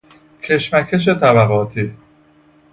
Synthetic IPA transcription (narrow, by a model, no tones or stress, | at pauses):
cʰe̞ʃmæcʰe̞ʃ̬e̞t̪ʰæβæɣɒːt̪ʰiː